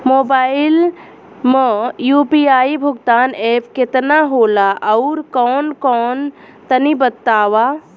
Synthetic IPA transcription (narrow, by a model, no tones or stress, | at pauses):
moːbaːɪl | məjuːpiaːibʱʊɡt̪aːneːpʰkɪt̪naɦoːlaʔɐʊɾkɔːnkɔːn | t̪ənibət̪ːaːʋa